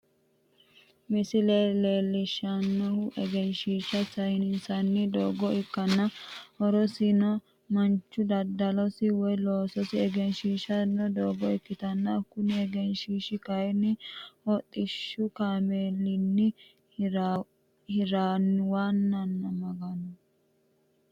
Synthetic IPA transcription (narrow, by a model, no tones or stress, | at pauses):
mɪsɪleleːlːɪʃɐnːɔhʊʔɛɡɛnʃiːʃɐsɐhɪnɪnsɐnːɪd̪oːɡɔɪkːɐnːɐhɔɾɔsinɔ | mɐnt͡ʃːʊd̪ɐd̪ɐlɔsɪwɔjlo̞ːsɔsɪɛɡɛnʃiːʃɐnːɔd̪oːɡɔɪkːɪt̪ɐnːɐkʊnɪɛɡɛnʃiːʃɪkɐjnːɪhɔt̪ʼːɪʃːʊkaːmeːlːɪnːɪ | ɾ | hɪɾaːnːwaːnːɐnːɐmɐɡɐnɔ